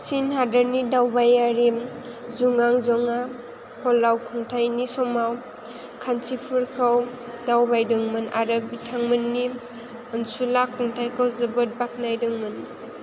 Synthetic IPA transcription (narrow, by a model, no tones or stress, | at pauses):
sinɦadaɾnidawbajaɾi | zuŋaŋzɔŋa | pʰɔlawkʰuŋtʰajnisɔmaw | kʰansipʰɯɾkʰaw | dawbajdɯŋmɯna̰ɾɯbitʰaŋmɯnːi | ɯnsulakʰuŋtʰajkʰɯwzɯbɯt̚bak̚najdɯŋmɯn